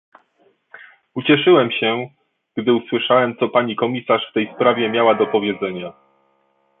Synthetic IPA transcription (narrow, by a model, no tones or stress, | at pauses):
ut͡ɕɛʂɘwɛmɕɛ | ɡ̥d̪ɘuswɘʂawɛmt̪sɔpaɲikɔmʲisaʂft̪ɛjspɾavʲjɛmʲjawad̪ɔpɔvʲjɛd̪zɛɲa